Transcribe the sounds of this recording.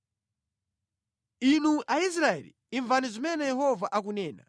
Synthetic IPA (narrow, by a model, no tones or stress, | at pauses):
inuʔais̬ɾaɛ̰lḭːɱvanizimɛnɛjɛɦɔvaʔak̬unɛːna̰